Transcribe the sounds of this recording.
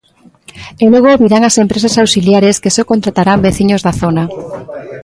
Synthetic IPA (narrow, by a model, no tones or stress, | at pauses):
eloɣooβiɾaŋasempɾes̬asawsiljaɾeskesɔkont̪ɾat̪aɾambeθiɲozðaθona